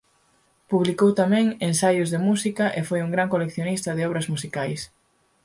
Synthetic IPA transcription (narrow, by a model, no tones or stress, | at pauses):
puβlikowt̪amɛ̃ŋensajʊzðemusikɐʔefojuŋɡɾaŋkolekθjonist̪ɐðɪɔβɾɐzmusikajs